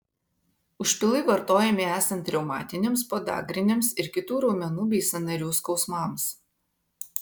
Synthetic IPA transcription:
ʊʃʲpʲɪlˠɐɪʋɐɾt̪oːjɛmʲɪæːsɐnt̪ʲɾʲɛʊmɑ̰ːt̪ʲɪnʲemspoːd̪ɑ̰ːɡɾʲɪnʲemsɪɾkʲɪt̪uːɾɔːmʲɛnuːbʲɛɪsʲɐnɐɾʲuːskɒʊsmɑms

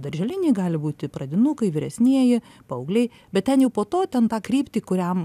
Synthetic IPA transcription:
d̪ɐɾʲʒʲɛlʲɪnʲeːɡɑːlʲɪbuːt̪ʲɪprɐd̪ʲɪnukɐɪʋʲɪɾʲɛsʲnʲiɛjɪ | pɐɐʊɡlʲɛɪ | bʲɛt̪̚t̪ʲɛnjɛʊpoːt̪oːt̪ʲɛnt̪ɑːkrʲiːpʲt̪ʲiːkʊɾʲɛm

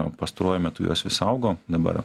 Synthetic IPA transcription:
pɐst̪ɐɾoɔjʊmʲɛt̪ʊjo̰sʋʲɪsɐʊɡoːd̪ɐbɐ̰ɾ

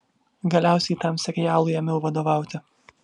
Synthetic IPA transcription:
ɡɐlʲæˑʊsʲɛɪt̪ɐmsʲɛɾʲɛjæːlˠʊjɛmʲɪlˠʋɐd̪oːʋɑˑʊt̪ʲɪ

